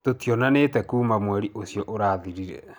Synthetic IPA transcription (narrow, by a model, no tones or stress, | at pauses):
totjɔnanetɛkuːmamwɛɾiʔosijɔʔoɾaːðiɾiɾɛ̰